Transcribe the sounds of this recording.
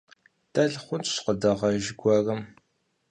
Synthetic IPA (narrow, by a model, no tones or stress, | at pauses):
dʰɐɮχʷʊntʰʼɕqədɐʁɐʒɡʷɐrɐm